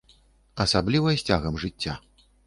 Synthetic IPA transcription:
ɐsablʲivɐjsʲt͡sʲaɣɐmʐɨt͡sʲːa

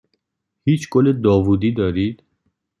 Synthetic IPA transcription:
hiːt͡ʃʰɡoled̪ɒːvuːd̪iːd̪ɒːɾiːd̪̥

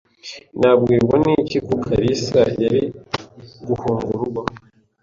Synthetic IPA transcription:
nabɡiːɾɡwanicikokʰaɾisɾajaɾi | ɡuhuːŋɡuɾuɡa

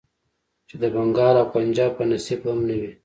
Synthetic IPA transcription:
t͡ʃed̪əbaŋɡɑːɾawpand͡ʒɑːb̚panasibhamnawi

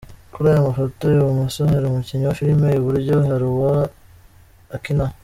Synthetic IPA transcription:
kuɾaːjamafotojoumusoheɾumuciɲowaʃiɾimeuβuɾɟohaɾuwa | kina

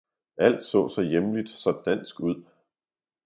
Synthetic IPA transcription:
æl̰d̥sɔ̰̽ːsɑ̈ɪjemlid̥sɒ̽d̥æn̰sɡ̥uð̰ˠ

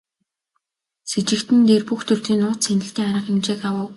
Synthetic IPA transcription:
set͡ɕɪ̆kt̪ɘ̆nt̪eːrpuxt̪ʰɵr̥t̪iːnːʊːt̪sʰænʲɪ̆ɬt̪iːŋaɾə̆χemt͡ɕeːkawə̆w

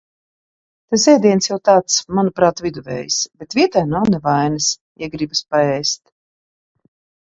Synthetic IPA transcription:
t̪aszɛjd̪ʲiɛnsjawt̪aːt̪smanupɾaːt̪vid̪uvɛ̰ːjsb̥et̪vʲiɛt̪ajnawnɛvajnɨs | iɛɡɾibaspaɛjst̪

